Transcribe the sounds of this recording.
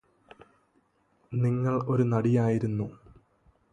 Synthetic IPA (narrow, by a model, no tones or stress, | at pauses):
niŋːɐɭo̞ɾunɐɽijaːjiɾunːu